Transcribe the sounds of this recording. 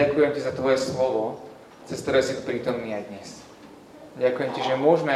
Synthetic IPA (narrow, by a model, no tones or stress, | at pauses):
akujɛmcizat̪ʋɔjɛslɔʋɔ | t͡sɛst̪ɔɾɛsiːt̪pɾiːt̪ɔmniːajd̪ɲɛs | ɟakujɛmciʒɛmʊɔʒmɛ